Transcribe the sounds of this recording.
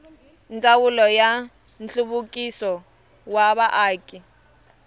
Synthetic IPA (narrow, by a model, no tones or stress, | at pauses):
nt͡sʼawulɔja | n̩ɬuβukʼisɔ | waβaʔaːkʼi